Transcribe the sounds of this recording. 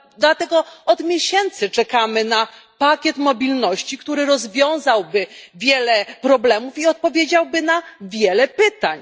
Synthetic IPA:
d̪lat̪ɛɡɔɔd̪mʲjeɕɛnt̪sɘt͡ʂɛkamɘnapakʲjɛt̪mɔbʲilnɔɕt͡ɕikt̪uɾɘɾɔzvʲjɔ̃w̃zawbɘvʲjɛlɛpɾɔblɛmufiɔt̪̚pɔvʲjed͡ʑawbɘnavʲjɛlɛpɘt̪aɲ

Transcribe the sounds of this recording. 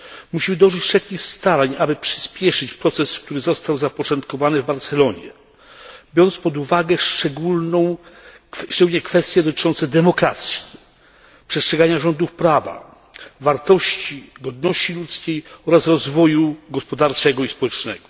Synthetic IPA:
muɕimɘd̪ɔʐɘt͡ɕfʂɛtkʲixst̪aɾaɲabɘpʂɘ̥spʲjɛʂɘt͡ɕpɾɔt̪sɛskt̪uɾɘzɔst̪awzapɔt͡ʂɔnt̪kɔvanɘvbaɾt̪sɛlɔɲɛ̰ | bʲjɔnt̪spɔd̪uvaɡɛʂt͡ʂɛɡulnɔ̃w̃ | ʂɛɡulɲɛkfɛst̪ʲjɛd̪ɔt̪ɘ̥t͡ʂɔnt̪sɛd̪ɛmɔkɾat̪sʲji̥ | pʂɛstʂɛɡaɲaʐɔnd̪ufpɾava̰ | vaɾt̪ɔɕt͡ɕiɡɔd̪̚nɔɕt͡ɕilut̪skʲejɔɾasɾɔzvɔjuɡɔspɔd̪aɾt͡ʂɛɡɔispɔwɛt͡ʂnɛ̰ɡ̥ɔ

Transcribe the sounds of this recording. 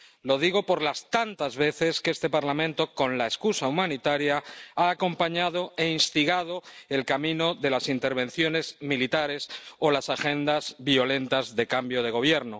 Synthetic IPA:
lo̞ð̞iɣ̞o̞po̞ɾlast̪ant̪azβe̞θe̞skest̪e̞paɾlamẽnt̪o̞ko̞nlaeskusaumãnit̪aɾjaaːko̞mpaɲaðo̞e̞inst̪iɣað̞o̞elkamĩno̞ðe̞lasint̪e̞ɾβ̞ẽ̞n̟θjo̞ne̞zmilit̪aɾe̞so̞lasaxẽ̞nd̪azβio̞le̞nt̪azðe̞kambjo̞ð̞e̞ɣ̞o̞β̞je̞ɾno̞

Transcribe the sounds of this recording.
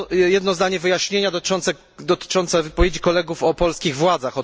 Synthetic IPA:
jɛd̪nɔzd̪aɲɛvɘjaɕɲeɲad̪ɔt̪t͡ʂɔnt̪sɛ | d̪ɔt̪ɘ̥t͡ʂɔnt̪sɛvɘpɔvʲjed͡ʑikɔlɛɡufɔpɔlskʲiɣvwad̪zaxɔ

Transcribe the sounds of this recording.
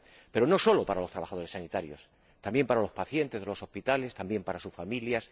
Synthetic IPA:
pe̞ɾo̞no̞so̞lo̞paɾalost̪ɾaβaxað̞o̞ɾesanit̪aɾjo̞s | t̪ambje̞mpaɾalo̞spaθje̞nt̪e̞zðelo̞so̞spit̪ale̞st̪ambje̞mpaɾasusfamiljas

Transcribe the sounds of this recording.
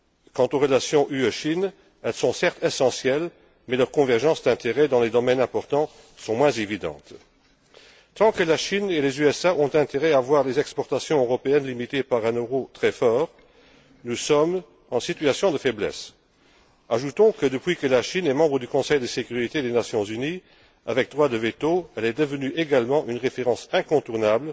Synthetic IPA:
kɑ̃t̪oʁəlasjɔ̃ʔyøʃin | ɛlsɔ̃sɛʁt̪ʰesɑ̃sjɛl | mɛlœʁkɔ̃vɛʁʒɑ̃sd̪ɛ̃t̪eʁɛd̪ɑ̃led̪ɔmɛnɛ̃pɔʁt̪ɑ̃ | sɔ̃mwɛ̃zevid̪ɑ̰̃t̪ | t̪ɑ̃kəlaʃinelezyɛsaʔɔ̃t̪ɛ̃t̪eʁɛavwaːʁlezɛkspɔʁt̪asjɔ̃øʁɔpeɛnlimit̪epaʁɛ̃nøʁot̪χɛfɔːʁ | nusɔm | ɑ̃sit̪ɥasjɔ̃d̪əfɛblɛ̰s | aʒut̪ɔ̃kəd̪əpwɥikəlaʃinɛmɑ̃bʁəd̪ykɔ̃sɛjd̪əsekyʁit̪ed̪enasjɔ̃zyni | a̰vɛk̚d̪ʁwad̪əvet̪oɛlɛd̪əvənyʔeɡalmɑ̃ʔynʁefeʁɑ̃sɛ̃kɔ̃t̪uʁnabl

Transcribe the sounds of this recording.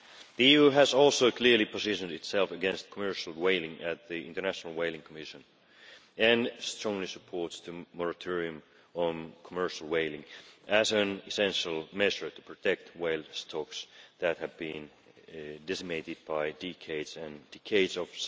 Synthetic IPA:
ðiiʉɨzɔlˠsoʊkʰl̥ɪɹlipʰəzɪʃɨ̃ndɨtsɛlˠfɨɡɛ̃nst̚kʰəmɜ˞ʃl̩ˠweɪlˠɪ̃ŋɨt̪̚ðiɪ̃ntə˞næʃnl̩ˠweɪlˠɪ̃ŋkʰəmɪʃɨ̃n | ɨ̃nstɹ̥ɔ̃ŋlisəpʰɔɹtstʰɨmɔɹɨtʰɔɹiɨ̃m | ə̃nkʰəmɜ˞ʃl̩ˠweɪlɪ̃ŋʔɨzɨ̃nɨsɛ̃nʃəl̩ˠmɛʒə˞tɨ̥pʰɹ̥ɨtʰɛk̚tweɪlˠstʰɔksðɨt̚hɨvbĩn | dɛsɨeɪɾɨd̚baɪdɛkʰeɪdzɨ̃ndɛkʰeɪdzʌv̥

